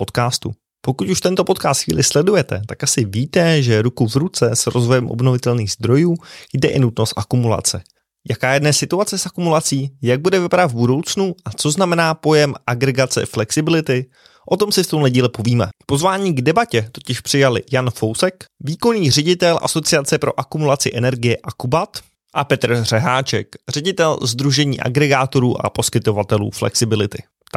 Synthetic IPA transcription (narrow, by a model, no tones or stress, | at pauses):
po̞t̪kaːst̪ṵ | po̞kuc̪uʃt̪ɛnt̪opo̞t̪kaːst̪xvḭːlɪslɛdujɛt̪ɛ̰t̪akʔasɪviːt̪ɛʒɛɾukuvɾut͡sɛsɾo̞zvo̞jɛmʔo̞̰bno̞vɪt̪ɛlniːɣzd̪ɾo̞juːjdɛʔɪnut̪no̞st̪ʔakumula̰t͡sɛ | jakaːjɛdnɛsɪt̪uat͡sɛsʔakumulat͡siːjaɡ̚budɛvɪpadat̪vbudo̞wt͡snuʔat͡so̞znamɛnaːpo̞jɛmaɡɾɛɡat͡sɛ̰flɛksɪbɪlɪt̪ɪ | ʔo̞t̪o̞msɪft̪o̞mlɛɟiːlɪpo̞viːmɛ̰po̞zvaːɲiːɡdɛbacɛt̪o̞cɪʃpr̥ɪjalɪ̰janfo̞wsɛkviːko̞niːr̝ɛɟɪt̪ɛlʔa̰so̞t͡sɪat͡sɛpɾo̞ʔakumulat͡sɪʔɛnɛɾɡɪjɛʔakubat̪ | ʔapɛt̪r̩r̥ɛɦaːt͡ʃɛkr̝ɛɟɪt̪ɛlzd̪ɾuʒɛɲḭːʔa̰ɡɾɛɡaːt̪o̞ɾuːʔa̰po̞skɪt̪o̞vat̪ɛlṵːflɛ̰ksɪbɪlɪt̪ɪ | t̪